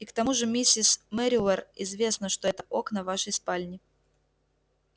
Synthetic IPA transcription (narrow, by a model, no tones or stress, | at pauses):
ikt̪ɐmuʐɨmʲisʲːɪsmɛɾʲɪlˠərɪzvʲe̞snəʂt̪o̞ɛt̪ə̥ʔo̞knəvaʂəjspalʲnʲɪ